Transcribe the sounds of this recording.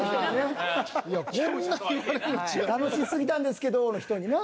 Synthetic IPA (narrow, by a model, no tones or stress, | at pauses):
aneiakõnːaikɾeit͡ɕt̪ano̞ɕisɨɡʲit̪ãnd̪e̞sɨ̥ke̞d̪onoçi̥t̪oɲ̟ine